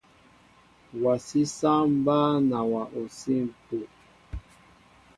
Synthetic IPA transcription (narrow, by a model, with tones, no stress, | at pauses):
wa˨si˦sa˦m̩˦ba˦na˨wa˨ʔo˨si˦m˨po˨